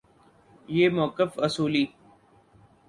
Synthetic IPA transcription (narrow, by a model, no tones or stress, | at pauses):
jeːmʊkɪfɐsuːliː